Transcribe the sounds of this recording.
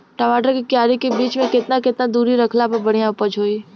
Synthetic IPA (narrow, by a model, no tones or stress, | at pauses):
ʈəʋaːʈəɾkikjaːɾikebiːt͡ʃmẽkɪt̪naket̪nad̪uːɾiɾəkʰlapəbəɽ̤ijãʊpəd͡ʒʱoːi